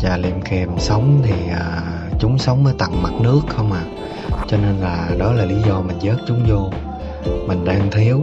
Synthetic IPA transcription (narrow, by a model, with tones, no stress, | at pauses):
zaː˨˩lḭ˨˩mki˨˩əmsə˨˦wŋ͡mt̪ʰi˨˩ʔəː˨˩ | t͡ɕʊ˨˦ŋ͡msə˨˦wŋ͡mməː˨˦jt̪a̰˧˨ŋma˨˩t̚nɨ˦˥əkxə˧wŋ͡maː˨˩ | t͡ɕɔ˧ne˧nlaː˨˩ɗɔ˨˦laː˨˩li˨˦zɔ˧mï˨˩ŋ̟zəː˦˥t̚t͡ɕʊ˨˦ŋ͡mzo˧ | mï˨˩ŋ̟ɗaː˧ŋt̪ʰi˨˦əw